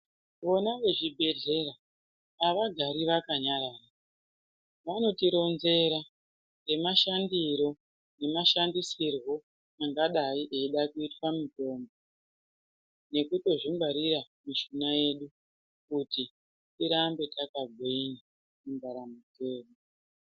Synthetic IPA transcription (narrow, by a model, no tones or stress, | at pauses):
ʋo̞naʋe̞ʐibʱe̞ɮe̞ɾaː | ʋaɡʱaɾiʋakaɲaɾaːra | ʋano̞tiɾo̞nze̞ɾa | re̞maʃandiɾo̞ | ne̞maʃandisirwo̞ | aŋɡaɗaiʔeiɗakuitwamito̞ːmbo | ne̞kuto̞ʐimbaɾiɾamiʃunaje̞ɗu | kuti | tiɾambe̞takaɡʱweina | umbaɾamute̞ːmo